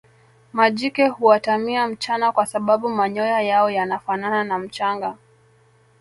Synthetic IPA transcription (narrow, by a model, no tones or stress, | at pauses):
maʄikɛhuwatamiam̩t͡ʃanakwasaɓaɓumaɲɔjajaɔjanafanananam̩t͡ʃaŋɡa